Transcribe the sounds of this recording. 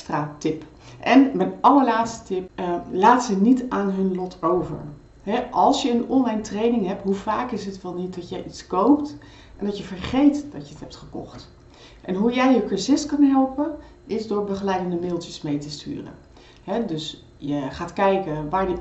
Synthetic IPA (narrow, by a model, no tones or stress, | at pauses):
stratɪp | ʔɛnbɛjɑləlaːtstə̥tɪp̚laːtsənitaːnɦɵnlɔtʰowvə̰ɹ | ɦɛʔɑlˠsjəənɔnlɛjntrejnɪŋɦɛp̚tɦuvaːkɪsɦətʋɛlˠnit̚dɑtjəjʔitskowpt | ʔɛndɑtjəvəɹχejtd̥ɑtjəətɦɛp̚tχəkɔ̰χt | ʔɛnɦujɛjəkəɹzɪskɑnɦɛlˠpən | ʔɪzdʊːɹbəχəlɛjdəndəmɪlˠtjəsmejtəsty̰ːrə̰ | ɦɛdɵs | jəχaːtkɛjkəʋaːɹjə